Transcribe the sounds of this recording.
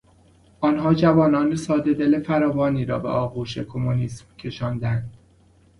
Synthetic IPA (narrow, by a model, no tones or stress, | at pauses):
ʔɒːnɦɒːd͡ʒævɒːnɒːnesɒːd̪e̞d̪elefæɾɒːvɒːniːɾɒ̰ːbḛʔɒːɣuːʃḛkʰomoniːsmcʰe̞ʃɒːnd̪ænd̪̥